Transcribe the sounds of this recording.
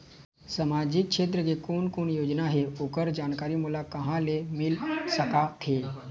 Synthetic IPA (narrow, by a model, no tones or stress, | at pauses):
sɐmaːd͡ʒɪk̚ʃeːt̪̬ɾəkekoːnkoːnjoːd͡ʒnaɦeoːkəɾd͡ʒaːnkaːɾimulakɐɦãlemɪlsəkat̪ʰeː